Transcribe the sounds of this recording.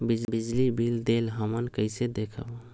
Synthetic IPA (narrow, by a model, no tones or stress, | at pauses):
bid͡ʒbid͡ʒlibʱild̪elɦəmənkəɪsed̪ekʰəb